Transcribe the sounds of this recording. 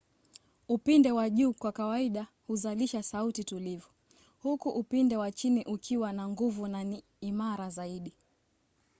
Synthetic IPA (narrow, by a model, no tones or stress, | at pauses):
upindɛwaʄuːkwakawaiɗa | huzaliʃasautitulivɔ | hukuʔupindɛwat͡ʃiniʔukʰiwanaŋɡuvunani | imaɾazaiɗi